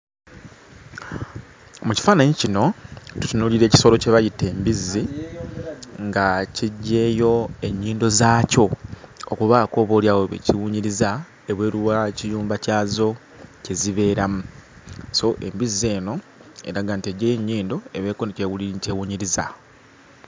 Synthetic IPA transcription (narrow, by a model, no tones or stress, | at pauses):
muci̥faːnaɲicino̞tu̥tunuːliɾe̞ːci̥so̞lo̞ce̞βajitːe̞ːmbizːi | ŋɡaciɟːe̞ːjo̞e̞ɲːiːndo̞zaːco̞okuβaːko̞ːβoljaːwoβḛciwuːɲiɾiza | eβwe̞ːɾuwacijuːmbacaːzo̞ | ceziβe̞ːɾamuso̞ʔe̞̰mbize̞ːno̞ | e̞̰ɾaɡantieɟːejeɲːiːndo̞e̞βe̞ːkonecewulincewuɲiɾiza